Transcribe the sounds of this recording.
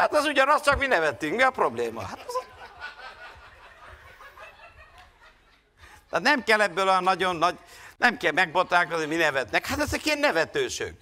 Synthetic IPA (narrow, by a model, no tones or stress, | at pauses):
hat̪ɛzuɟɒnɒst͡ʃɒkminɛvɛt̪ːyŋkmiɒpɾo̞bleːmɒ̰hat̪ɛz | t̪ːt̪nɛmkɛlːɛbːøːlojɒnːɒɟo̞nːɒɟnɛmkɛlmɛɡ̚bot̪ɾaːkozniminɛvɛt̪nɛkhat̪ɛzɛkiɛnːɛvɛt̪øːʃø̰ːk